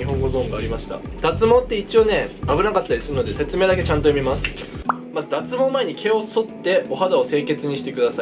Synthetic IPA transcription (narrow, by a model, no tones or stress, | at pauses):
iɦõ̞ŋɡo̞zõŋɡaːɾʲimaɕi̥t̪a̰d̪̥at͡sɨmõ̞t̪ːe̞it͡ɕio̞ne̞abɯ̟nakat̪ːaɾisɨɾɯ̟no̞d̪e̞se̞t͡sɨme̞ːd̪ak̬e̞t͡ɕãnt̪ojomʲimasɨ̥ | mad̪at͡sɨmõ̞mːae̞ɲ̟ikʰe̞o̞so̞t̪ːe̞o̞ɦad̪ao̞se̞ːke̞t͡sɨɲ̟iɕi̥t̪e̞kɯ̟d̪asai